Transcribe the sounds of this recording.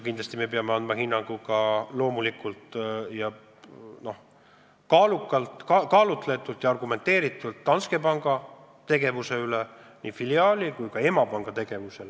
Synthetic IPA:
kind̪lɑsʲt̪ime̞pe̞ɑmeɑnd̪̚mɑɦinːɑŋɡ̥ukɑlo̞ːmulikult̪jɑ | no̞h | kɑːlukːˑɑlt̪kɑkɑːlut̪ˑle̞t̪ːˑult̪jɑɑrɡ̥ume̞nt̪ːeːɾit̪ːˑult̪ːɑnske̞pɑŋɡ̥ɑ | t̪e̞ɡe̞vuse̞yle | nifiliɑːlikujkɑe̞mɑpɑŋɡ̥ɑt̪e̞ɡ̥e̞vuse̞l

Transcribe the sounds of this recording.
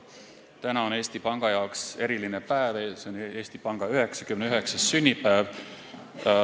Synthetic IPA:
t̪ænɑone̞ːst̪ipɑŋɡ̥ɑjɑokse̞ɾilinepæeveseone̞ːst̪ipɑŋɡ̥ɑyɦe̞ksɑ̥kymneyɦe̞ksɑsːynʲːipæːv

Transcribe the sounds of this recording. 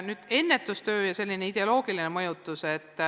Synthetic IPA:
nyːd̪̥e̞nːe̞t̪ːˑust̪ø̞ːjɑse̞lʲːine̞id̪̥e̞o̞lo̞ːɡ̥ilinemɤjut̪ːˑuse̞t̪ː

